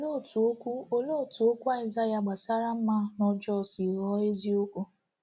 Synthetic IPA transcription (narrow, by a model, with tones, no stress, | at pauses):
lo˦˨tu˨o˦kʷu˦o˦lo˦˨tu˨o˦kʷu˦a˦ɪ˨za˦ja˨ɡ͡ba˨sa˦ɾa˦m̩˦ma˦nɔ˦d͡ʒɔ˦˨si˨ɣɔ˦e˦zi˦o˦kʷu˦